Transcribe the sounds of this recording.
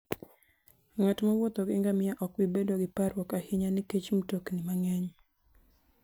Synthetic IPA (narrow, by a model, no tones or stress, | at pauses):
ŋatmawot̪ɔɡɪŋɡamɪjaʔɔkwibedoɡɪpaɾwɔkahɪɲaniket͡ʃmutoknɪmaŋɛɲ